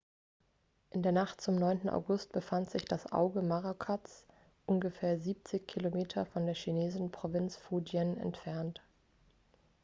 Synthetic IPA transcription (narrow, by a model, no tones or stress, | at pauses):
ʔɪndeːɐnaχtt͡sʊmnɔʏntn̩ʔa̰ʊɡʊst̚b̥əfantz̥ɪçd̥asʔa̰ʊɡəmaʁokʰat͡s | ʔʊnɡəfeːɐziːp̚t͡sɪçkʰilomeːtʰɐfɔndeːɐʃineːzɪn̩pʁ̥ovɪnt͡sfuːd͡ʒjənɛ̰ntfɛɐnt